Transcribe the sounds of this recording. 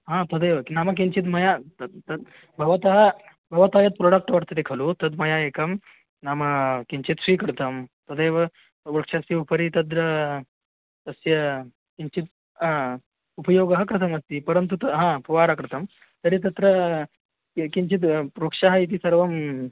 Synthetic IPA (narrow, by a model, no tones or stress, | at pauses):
ɦãːt̪ɐd̪eːʋɐkinaːmɐk̬iɲt͡ʃit̪̬mɐjat̪ɐt̪ɐ | bʱɐʋɐt̪ɐɦɐ | bʱɐʋɐt̪ɐɦɐjɐt̪̚pɾoɽɐk̚ʈʋɐɽt̪ɐd̪ekʰɐlut̪ɐd̪mɐjaeːkɐm | namɐkiɲt͡ʃit̪sʋiːkɐɾt̪ɐmt̪ɐd̪ejʋɐ | ɾukʂasjiupɐɾit̪ɐd̪ɾɐ | t̪ɐsjɐ | kiɲt͡ʃit̪̚ | upɐjoːɡɐɦɐkɾɐt̪ʰɐmɐst̪ipɐɾɐnt̪̬ut̪ɐɦãpuʋaːɾakɾt̪ɐm | t̪ɐɾit̪̬ɐt̪ɾɐ | kiɲt͡ʃit̪ɾukʂɐɦɐit̪̬isɐɾʋɐm